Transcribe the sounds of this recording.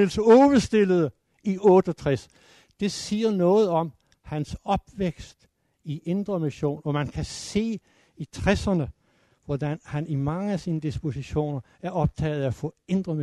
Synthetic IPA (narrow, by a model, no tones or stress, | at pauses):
elsɔːʋəsd̥e̝ləðˠə | iɔ̽ːd̥ɒt͡sʰʁɛs | d̥e̝siːɐnɔ̽ːð̞̩ˠɒ̽m | hænsɒ̽b̥ʋeɡ̥sd̥ | iʔe̝nd̥ʁɐmiɕo̝̰ːnɒmænkʰæse̝̰ː | it͡sʰʁɛsɐnə | ʋɒd̥ænhænimɑ̈ŋəæsiːnəd̥isb̥o̝siɕo̝̰ːnɐ | æɐɒ̽b̥̚t͡sʰɛ̰ːð̩ˠæfɔ̰̽ːe̝nd̥ʁɐmi